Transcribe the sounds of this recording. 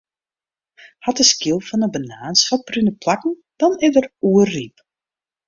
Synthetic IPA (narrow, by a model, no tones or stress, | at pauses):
hatəskilˠfɔnəbənaːnsfɔprynəplakn̩ | d̥ɔnɪdəruərːip